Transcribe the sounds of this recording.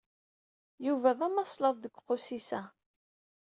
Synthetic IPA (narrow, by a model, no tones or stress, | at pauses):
juvæðæmɑsˤləðˤðəɡʷːqːʊsisæ